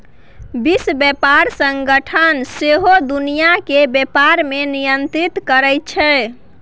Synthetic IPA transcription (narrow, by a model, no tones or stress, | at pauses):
bisbjɛpaɾsəŋɡəʈʰənseɦod̪unijakebjepaɾmenijənt̪ɾit̪kəɾɛj̚t͡ʃʰɛ